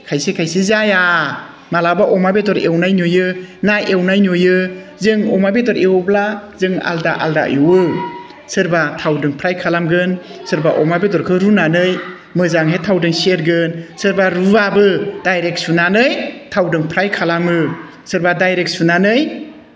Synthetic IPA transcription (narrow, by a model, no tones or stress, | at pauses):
kʰajsekʰajsizaja | malabaʔɔmabetɔɾewnajnojɯnaewnajnojɯ | zɯŋɔmabetɔɾewblazɯŋa̰ldaʔa̰lda̰juwɯ | sɯɾbatʰawdɯŋpʰɾajkʰalamɡɯnsɯɾbaʔɔmabetɔɾkʰɯɾunanɯj | mɯzaŋɦetʰawdɯŋseɾɡɯnsɯɾbaɾubabɯd̥ajɾek̚t̚sunanɯjtʰawdɯŋpʰɾajkʰalamɯ | sɯɾbadajɾek̚t̚sunanɯj